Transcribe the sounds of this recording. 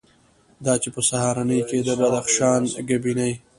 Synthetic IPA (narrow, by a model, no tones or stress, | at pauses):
d̪ɑt͡ʃepəsahɑɾanəjked̪əbad̪axʃɑnɡabinaj